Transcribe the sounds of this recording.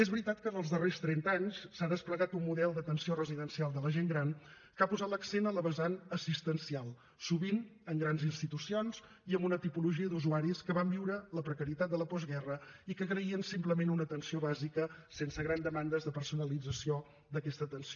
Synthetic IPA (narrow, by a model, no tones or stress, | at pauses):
ezβɾit̪at̪kənəlˠzðərest̪ɾɛnt̪aɲssaðəspləɣat̪umːuðɛlˠd̪ət̪ənsiorəziðənsialˠd̪ələʒeŋɡɾan | kapuzat̪ləksenələβəzanəsist̪ənsialˠ | suβinəŋɡɾanzinst̪it̪usionz̥ | iəmbunət̪ipuluʒiəd̪uzuaɾiskəβambiwɾələpɾəkəɾit̪at̪d̪ələpɔzɣɛrəikəɣɾəiənsimpləmenunət̪ənsioβazikəsensəɣɾand̪əmand̪əzðəpəɾsunəlid͡zəsio | d̪əkɛst̪ət̪ənso